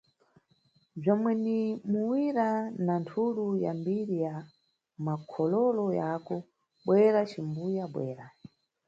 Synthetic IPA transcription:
b͡ʐɔmwɛnimuwiɾanantʰuɾuja̰mbiɾija | makʰɔlɔlɔjakɔ | ɓwɛɾat͡ʃimbujaɓwɛ̰ːɾa

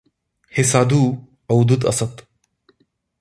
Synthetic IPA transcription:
hesaːd̪ʱu | ɐwd̪ut̪ɐsət̪

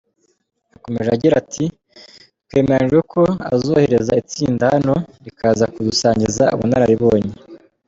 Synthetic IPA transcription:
ako̞me̞ʒeaɟiɾatʰi | t̚we̞ːmeɾand͡ʒɡekʰo̞a̰zoːhe̞ɾe̞zait͡siːndahano̞ɾikʰaːzakudusaːɲɟizaṵβunaɾaɾiβo̞ːɲe

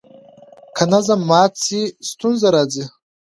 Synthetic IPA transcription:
kʰanazamːaːt͡sʰistʰunzaɾad͡zi

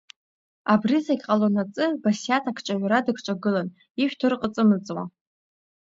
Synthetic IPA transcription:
abrizakʲʼqʼalonat͡sʼɨbasjatʰakʷʰt͡ʃʷʼaɥʷɾadɨkʷʰt͡ʃʷʼaɡɨlan | iʃᶣtʰɨrqʼət͡sʼɨmɨt͡sʼwa̰

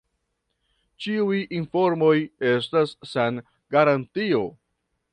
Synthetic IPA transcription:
t͡ʃiujinfo̞ɾmo̞je̞stasːan | ɡaɾantio̞

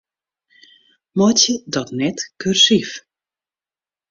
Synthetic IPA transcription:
mɔtjədɔtnɛtkyrsif

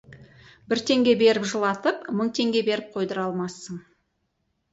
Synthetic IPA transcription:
bɪɾt̪ʰe̞ŋɡʲe̞be̞ɾɪpʒəlˠɑt̪əpməɴt̪ʰe̞ŋɡʲe̞be̞ɾɪp̚qʰo̞jd̪əɾɑlˠmɑsəɴ

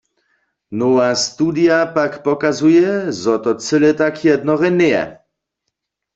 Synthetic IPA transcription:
nɔast̪udijapakpɔkazujɛzɔt̪ɔt͡sɛlɛt̪akʰjɛd̪nɔʁɛnɛjɛ̰

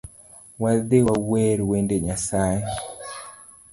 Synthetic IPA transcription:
waðeawɛɾwendeɲasaje

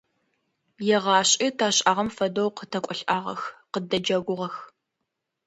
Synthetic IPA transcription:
jɛʁɑːɕʼitʰaːɕʼaːʁɐmfɐdowqətʰɐkʷʼɔɬʔaːʁɐ̰xqədɐd͡ʒɐɡʷʊʁɐx

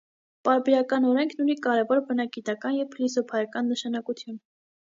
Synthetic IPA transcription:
pɑɾbɛɾɑkɑnɔɾɛŋkʰnunikɑɾɛvɔɾbənɑɡit̪ɑkɑnjɛvpʰlisɔpʰɑjɑkɑnːəʃɑnɑkut̪ʰjun

